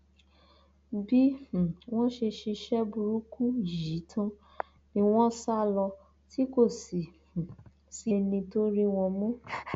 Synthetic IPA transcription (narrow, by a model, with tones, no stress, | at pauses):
bĩ˦˨w̃ɔ̃˦ʃe˧ʃi˧ʃɛ˦bu˧ɾu˦ku˦ji˨˦tʰã˦ | nĩ˧w̃ɔ̃˦sa˦lɔ˧ | ti˦ko˦˨sĩ˨ | si˦nĩ˧to˦ɾi˦w̃ɔ̃˧mũ˦